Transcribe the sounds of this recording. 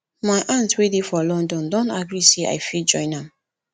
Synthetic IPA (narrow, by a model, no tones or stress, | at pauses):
majʔãntwedifɔlɔ̃ndɔ̃ndɔ̃ntaɡɹisea̰jfid͡ʒɔ̃ɪ̃nãm